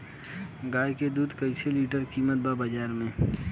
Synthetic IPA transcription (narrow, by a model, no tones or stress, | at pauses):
ɡaːjked̪uːd̪kəɪseliːʈəɾkiːmət̪̚baːbəd͡ʒaːɾmẽː